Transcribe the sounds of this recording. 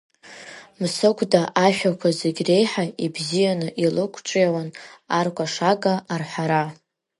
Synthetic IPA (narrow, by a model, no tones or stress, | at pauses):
msɨkʷʰʼdaʔaʃᶣakʷʰazeɡʲre̞jħaibzijanɨʔilɨkʷʰt͡ʃʼjawanarkʷʼaʂaɡʼaʔːrħʷaɾa